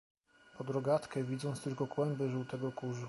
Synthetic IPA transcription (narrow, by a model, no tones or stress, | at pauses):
pɔd̪ɾɔɡat̪kɛvʲid̪zɔnt̪st̪ɘlkɔkwɛmbɘʐuwt̪ɛɡɔkuʐu